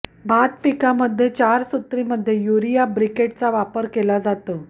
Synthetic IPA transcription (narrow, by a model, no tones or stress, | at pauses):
bʱat̪pikaməd̪ʱːjet͡ɕaɾsut̪ɾiməd̪ʱːjejuɾijabɾikeʈ̚t͡saʋapəɾkelad͡zat̪ə